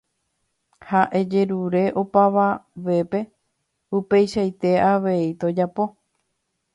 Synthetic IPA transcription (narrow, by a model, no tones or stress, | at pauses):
haʔed͡ʒe̞ɾuɾe̞ʔo̞paʋaʋe̞pe̞ | upe̞jʃajt̪e̞aʋe̞it̪o̞d͡ʒapo̞